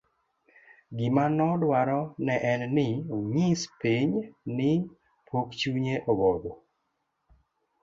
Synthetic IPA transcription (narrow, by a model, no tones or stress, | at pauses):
ɡɪmanɔdwaɾɔnɛʔɛnnɪoɲispiɲnɪ | pʰokt͡ʃuɲeʔobɔd̪o